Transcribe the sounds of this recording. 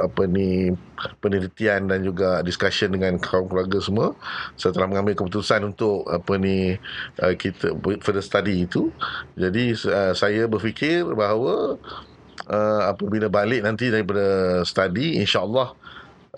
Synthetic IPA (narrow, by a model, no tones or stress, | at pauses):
apəni | pəniɾit̪iandand͡ʒuɡaʔdiskasəndəŋãnkʰawaŋkluarɡasəmuasat̪əlahmə̃ŋãmbɪlkəput̪usanunt̪ʊk̚a̰pəniʔəkit̪əfədəst̪adiːt̪ud͡ʒadiəsajabərfikʰɪrbaɦawə | əapəbilabalɪʔnant̪̬idaɾip̬adasə̥t̪adḭːnʃaəlːɑh